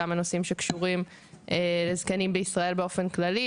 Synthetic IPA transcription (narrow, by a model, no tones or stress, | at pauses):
amanosimʃekʃuʁim | ʔelezkanimbeisʁae̞lbeo̞fe̞nklali